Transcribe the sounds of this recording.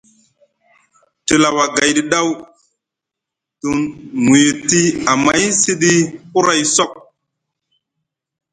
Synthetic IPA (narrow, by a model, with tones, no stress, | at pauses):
ti˨la˨wa˨ɡa˨jdi˨ɗa˦w | tu˨ŋu˨je˨ti˦a˨ma˨˦jsi˦ɗi˦u˦ɾa˨jsɔ˦˨k̚